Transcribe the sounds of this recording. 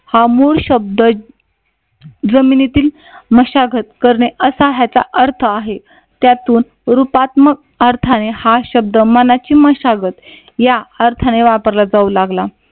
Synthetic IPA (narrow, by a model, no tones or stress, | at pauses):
hamuɭɕəb̚d̪ə | d͡zəminit̪iːl | məɕaɡʱət̪̚kəɾɳeʔəsaɦjat͡sa̰ʔəɾt̪ʰəaɦe | t̪jat̪uːn | ɾupat̪mək̚əɾt̪ʰanehaɕəb̚d̪əmənat͡ɕiːməɕaɡət̪ | jaəɾt̪ʰaneʋapəɾlad͡zaulaɡla